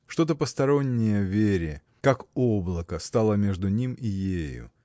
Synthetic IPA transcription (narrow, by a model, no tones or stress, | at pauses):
ʂt̪o̞t̪əpəst̪ɐɾo̞nʲːɪjəvʲeɾʲɪ | kakoblˠəkəst̪alˠəmʲe̞ʐd̪ʊnʲimijejʊ̰